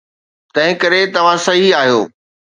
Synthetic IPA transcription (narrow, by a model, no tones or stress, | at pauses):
t̪ɐ̃ɦɪ̃kɐɾet̪ɐʋ̤ãsɐɦiaːɦijoː